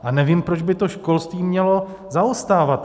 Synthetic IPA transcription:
ʔanɛviːmpɾod͡ʒbɪt̪o̞ʃko̞lst̪viːmɲɛlo̞ | zaost̪aːvat̪

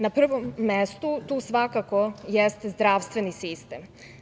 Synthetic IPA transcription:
napr̩ʋomːest̪ut̪uːsʋakakojest̪ezd̪ɾaːʋst̪ʋenisist̪em

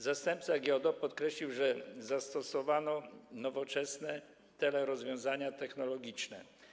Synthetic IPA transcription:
zast̪ɛmpt̪saɡʲjɔd̪ɔpɔt̪kɾɛɕlʲiwʐɛzast̪ɔsɔvanɔnɔvɔt͡ʂɛsnɛ | t̪ɛlɛɾɔzvʲjɔ̃w̃zaɲat̪ɛxnɔlɔɡʲit͡ʂnɛ̰

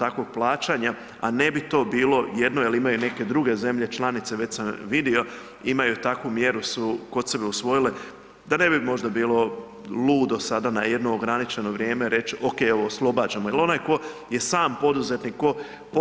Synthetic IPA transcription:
t̪akʋo̞ɡ̚plˠaːt͡ʃaɲa | a̰ne̞bit̪o̞ːbiːlˠo̞jed̪no̞jelimajune̞ke̞d̪ɾuɡe̞ze̞mʎe̞t͡ʃlˠanit̪seʋet͡ɕsamʋid̪io̞ | imajut̪akʋumje̞ɾusuko̞t̪sebeusʋo̞jile̞ | d̪ane̞bimo̞ʒd̪abiːlˠo̞ | lˠuːd̪osad̪anaje̞d̪no̞ːɡɾanit͡ʃe̞no̞ʋɾje̞ːme̞ɾe̞t͡ʃoke̞joʋoːslˠo̞baːd͡ʒamojelo̞najko̞je̞saːmpo̞d̪uze̞t̪nikkːo̞ | p

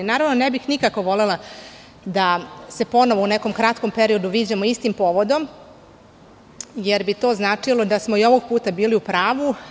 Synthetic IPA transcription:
inaːɾaʋnonebixnikako̞ʋo̞le̞la | d̪ase̞po̞no̞ʋouneko̞mkɾat̪ko̞mpeɾio̞d̪uʋiːd͡ʑamoist̪impo̞ːʋo̞d̪o̞m | jeɾbit̪o̞ːznaːt͡ʂilˠo̞d̪asmo̞io̞ʋo̞ɡ̚puːt̪abiːliupɾaːʋu

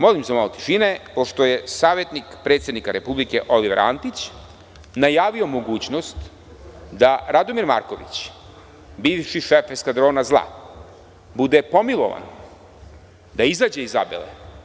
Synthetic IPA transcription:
mo̞limsemalot̪i̥ʃinepo̞ʂt̪o̞je̞saːʋjet̪nikpɾet̪sjed̪nikaɾe̞publikeʔo̞liʋeɾa̰nt̪it͡ɕ | najaːʋio̞mo̞ɡuːt͡ɕnost̪ | d̪aɾad̪omiɾma̰ɾkoʋḭt͡ɕ | biːʋʃiʃefeskad̪ɾo̞ːnazlˠa̰ | bud̪epo̞milˠo̞̰ʋa̰n | d̪aizaːd͡ʑeiza̰bḛlḛ

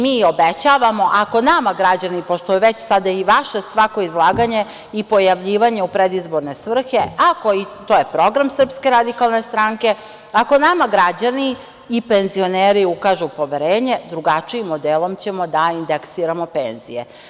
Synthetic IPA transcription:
miːo̞bet͡ɕaːʋamo̞ʔako̞namaɡɾad͡ʑanipoʃt̪oʋet͡ɕsad̪aiʋaʃe̞sʋako̞izlˠaːɡaɲe̞ | ipo̞jaʋʎiːʋaɲe̞upɾed̪izboɾne̞sʋr̩xe̞ako̞it̪oje̞pɾo̞ɡɾamsr̩pske̞ɾad̪ikalˠne̞st̪ɾaŋke̞ | ako̞namaɡɾad͡ʑaniː | penzio̞neːɾiukaːʒupo̞ʋeɾeːɲe̞d̪ɾuɡat͡ʂiimːod̪elˠo̞mt͡ɕe̞mo̞d̪aind̪eksiːɾamo̞penz̥ḭjḛ

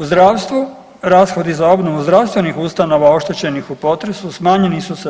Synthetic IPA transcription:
uzd̪ɾaːʋst̪ʋu | ɾaːsxo̞d̪izao̞bno̞ʋuzd̪ɾaʋst̪ʋe̞nixust̪ano̞ʋao̞ʃt̪e̞t͡ɕe̞nixupo̞t̪ɾe̞susmaːɲe̞nisuse

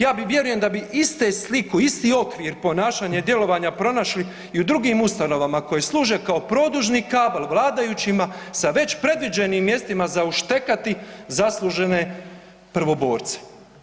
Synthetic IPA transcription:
jaːbiʋje̞ɾuje̞md̪abiist̪eslikuist̪iːo̞kʋiɾpo̞naːʃaɲed̪je̞lo̞ʋaɲapɾo̞naʃli | iud̪ɾuɡiːmust̪ano̞ʋamako̞jeslˠuːʒe̞kao̞pɾo̞ːd̪uʒnikaːbalˠʋlˠaːd̪ajut͡ɕimasaʋe̞t͡ɕpɾe̞d̪ʋid͡ʑenimːje̞st̪imazauʃt̪e̞kat̪izaslˠuʒe̞ne̞ | pr̩ʋo̞bo̞ːɾt̪se̥

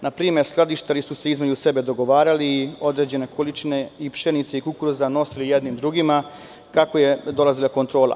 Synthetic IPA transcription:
napɾiːmeɾsklˠad̪iʃt̪alisuse̞izme̞d͡ʑuse̞be̞d̪o̞ɡo̞ʋaːɾaliːo̞d̪ɾe̞ːd͡ʑe̞ne̞kolit͡ʃine̞ipʃenit̪seikukuɾuzano̞silijed̪nimd̪ɾuɡima | kakoje̞d̪o̞lˠazilako̞nt̪ɾo̞ːlˠa̰

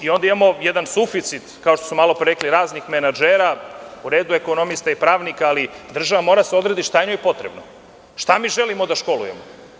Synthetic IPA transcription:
io̞nd̪aimamo̞jed̪ansufit̪sit̪kao̞ʃt̪osumalˠo̞pɾeɾekliɾaːznixmenad͡ʒeːɾauɾe̞ːd̪ue̞ko̞no̞mist̪aipɾaːʋnikaːlid̪r̩ʒaʋamo̞ɾad̪aseo̞d̪ɾed̪iʃt̪ajnojepo̞t̪ɾebno | ʃt̪amiːʒelimo̞d̪aʃko̞lṵje̞mo

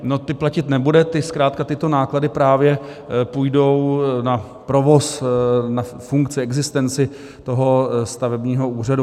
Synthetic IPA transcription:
no̞t̪ɪplacɪt̪nɛbudɛt̪ɪskɾaːt̪kat̪ɪt̪o̞naːkladɪpɾaːvjɛ | pujdo̞wna | pɾo̞vo̞sna | fuŋkt͡sɪɛɡzɪst̪ɛnt͡sɪ | t̪o̞ɦo̞st̪avɛbɲiːɦo̞uːr̝adu

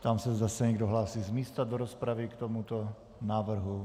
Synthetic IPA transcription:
t̪amsɛzd̪asɛɲɛɡdoɦlaːsiːzmiːst̪ad̪oɾospɾaʋɪkt̪omut̪o | naːvr̩ɦu

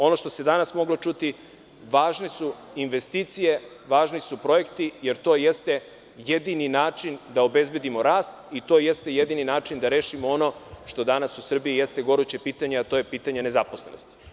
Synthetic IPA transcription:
o̞no̞ʃt̪o̞se̞d̪anasmo̞ɡlˠo̞t͡ʃut̪i | ʋaːʒnesu | inʋest̪iːt̪sije | ʋaːʒnisupɾo̞je̞kt̪ije̞ɾt̪o̞jest̪e̞ | jed̪ininaːt͡ʃind̪ao̞be̞zbe̞d̪imo̞ɾaːst̪it̪o̞ːje̞st̪e̞jed̪ininaːt͡ʃind̪aɾe̞ːʃimoono̞ʃt̪o̞d̪anasusr̩biijest̪e̞ɡo̞ɾut͡ɕe̞piːt̪aɲeat̪o̞ːjepiːt̪aɲe̞ne̞zapo̞sleno̰st̪i̥

